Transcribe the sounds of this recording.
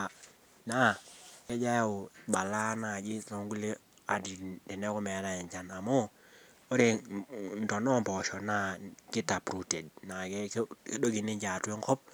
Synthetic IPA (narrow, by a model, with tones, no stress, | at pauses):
a˨ | na˦˨ɛ˦d͡ʒa˦jo˨ɓa˨la˦na˨d͡ʒɪ˦so˨ŋɡu˦le˦ | a˨di˨dɛ˨nɛ˦kɔ˦mɛ˨˦ɾa˨ɛ˨ɲd͡ʒa˨na˨mɔ˦ | o˦ɾe˨ndɔ˨nɔ˦mbɔ˨ʃɔ˨na˦kɪ˦ta˨pɾu˨te˨dna˨kɛ˦do˦ɡi˨ni˦ɲd͡ʒa˨twɛ˦ŋkɔ˦p̚